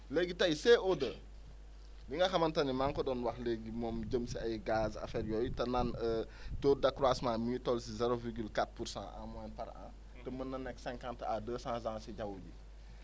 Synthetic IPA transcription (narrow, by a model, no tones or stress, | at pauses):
leɡitɐjseodə | liŋɡɐxɐmɐntɐnimaŋkɔdɔnwɐxleɡimɔːmɟəmsiɐjɡaːzɐ̰fɛːɾjɔːjtɐnanətoːdɐkɾwasmãːmuitɔlsizɛɾoviɾɡylkatpuɾsã̰ʔã̰mwaːnpɐɾã̰ː | tɛmənːɐnːɛksɛ̃ŋkãːnta̰dəːsãːzãːsiɟɐwɟi